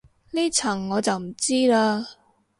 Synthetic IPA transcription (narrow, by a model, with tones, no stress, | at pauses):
liː˥t͡sʰɐ˨˩ŋːɔː˨˧t͡sɐ˨wm̩˨˩t͡siː˥laː˧